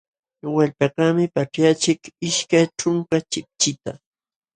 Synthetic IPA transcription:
waʎpɑɢɑmɪpaʈ͡ʂjat͡ʃɪkɪʃkajʈ͡ʂʊŋkat͡ʃɪp̚t͡ʃɪt̪a̰

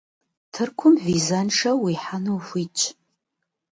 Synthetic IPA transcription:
tʰɨrkʷʰʊmvizɐnʂɐwiːħanuwfʷiːt͡ʃʼ

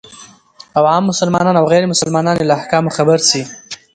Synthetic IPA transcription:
awɑmːʊsalmɑnɑnawɣɛjɾemʊsəlmɑnɑnelaahkɑmoxabaɾsi

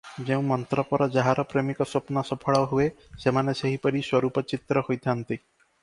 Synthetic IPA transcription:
d͡ʒeũmɔnt̪ɾɔpɔɾɔd͡ʒaɦaɾɔpɾemikɔsopnɔsɔpʰɔɭɔɦuesemaneseɦipɔɾiswɔɾupɔt͡ʃit̪ɾɔhojt̪ʰant̪i

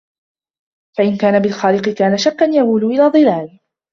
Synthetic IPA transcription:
faʔɪnkaːnabɪlxaːlɪqɨkaːnaʃakːanjahuːlʊʔɪlaːd̪ˤɨlaːl

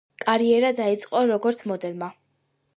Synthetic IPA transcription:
kʼaɾiɛɾad̪ait̪sʼqʼɔɾɔɡɔɾt̪sʰmɔd̪ɛlˠma

